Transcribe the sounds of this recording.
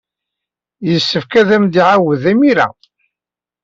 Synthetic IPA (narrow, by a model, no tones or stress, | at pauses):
jəsːəfkæðæmd̪iʕawəðæmiɾæ̰